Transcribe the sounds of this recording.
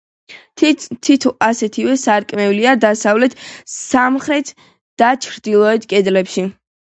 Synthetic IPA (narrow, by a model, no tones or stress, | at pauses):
t̪ʰit̪ʰɔʔasɛt̪ʰivɛsaɾkʼmɛuliad̪asavlɛt̪ʰsamχɾɛt̪ʰ | d̪̥at͡ʃʰɾd̪ilˠɔɛt̪ʰkʼɛd̪lɛpʃi